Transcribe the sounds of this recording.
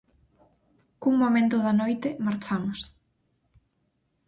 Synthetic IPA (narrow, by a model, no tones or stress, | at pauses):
kuŋmomẽnt̪ʊðɐnojt̪ɪmaɾt͡ʃamʊs